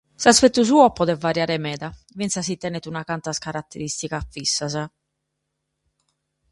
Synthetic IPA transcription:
saspɛt̪ːus̬uːɔpɔðɛvːaɾjaːɾɛmɛːd̪a | vint̪sas̬it̪ɛnɛt̪unakant̪askaɾat̪ːɛɾist̪ikafːisːasa

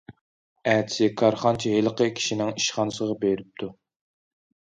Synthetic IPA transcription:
æt͡ʃʰɪ̥sɪkʰɑɾχɑnt͡ʃʰɛɦelˠəqəkʲʰi̥ʃinɪŋiʃχɑnɨsəʁɑbeɾɪp̚t̪ʰu

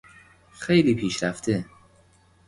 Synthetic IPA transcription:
xejliːpʰiːʃɾæft̪ʰe

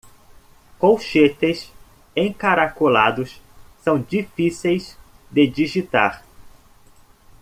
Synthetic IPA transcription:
kowʃet̪es | ẽkaɾakulad̪ʊssɐ̃w̃d͡ʒifisejz | d̪ed͡ʒiʒit̪a̰ɾ

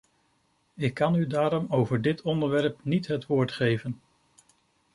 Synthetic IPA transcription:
ɪkːɑnydaːɾɔmowvəɹdɪtʰɔndəɹʋɛɹpnitɦətʋʊːɹtχejvən

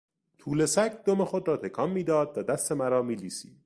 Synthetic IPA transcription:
t̪ʰuːle̞sækd̪omexod̪ɾɒːt̪ʰekʰɒːmːiːd̪ɒːd̪væd̪æst̪e̞mæɾɒːmiːliːsḭːd̪̥

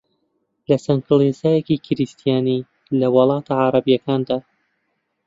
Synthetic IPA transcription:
lɐsɐŋkʰɨlˠesaːjekikʰɪɾist̪ʰijaːni | lɐwɑlˠɑːt̪ʰaʕaɾɐbijɐkaːnd̪aː

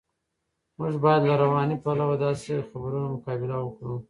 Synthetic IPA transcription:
mʊʒbɑjad̪laɾawɑnipalawad̪ɑsexabɾunamʊkɑbɪlawəkɽu

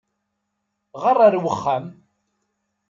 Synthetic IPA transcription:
ʁərˤːaɾwəχːæm

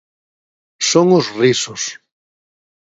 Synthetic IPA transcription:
soŋʊzrisʊs

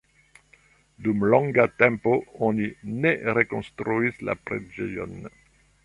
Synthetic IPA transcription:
d̪umlɔ̃ŋɡat̪ɛ̃mpoonineʁekɔ̃st̪ɾuisla̰pɾed͡ʒejɔ̰n

